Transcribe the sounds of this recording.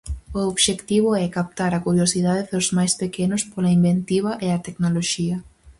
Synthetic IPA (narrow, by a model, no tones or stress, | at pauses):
ooβʃekt̪iβ̞ʊɛkap̚t̪aɾɐkuɾjosiðaðɪðʊzmajspekenʊspolaimbent̪iβɐʔeɐt̪eknoloʃiɐ